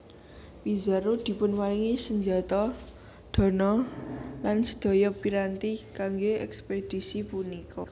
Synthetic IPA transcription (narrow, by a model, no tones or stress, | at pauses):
wizaɾod̪̥i̤pʊnwaliŋisəɲd͡ʒat̪ɔ | d̪̥ɔ̤nɔlansə̥d̪̥ɔ̤jɔpiɾant̪ikaŋɡeɛksped̪̥i̤sipunikɔ